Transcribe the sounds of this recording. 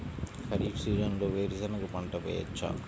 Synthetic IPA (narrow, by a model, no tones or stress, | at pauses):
kʰɐɾiːʈsiːd͡ʒɐnloːʋeːɾisɐnɐkupɐɳʈɐpḛːjɐ̰t͡ʃːa̰ː